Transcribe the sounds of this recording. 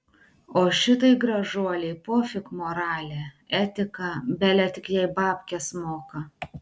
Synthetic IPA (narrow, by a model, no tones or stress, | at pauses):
oːʃʲɪt̪ɐɪɡɾɐʒuɔlʲɛɪpoːfʲɪkmoːɾɑːlʲeː | ɛt̪ʲɪkɐbʲɛlʲɛt̪ʲɪkjɛɪbɑːpʲkʲɛsmoːkɐ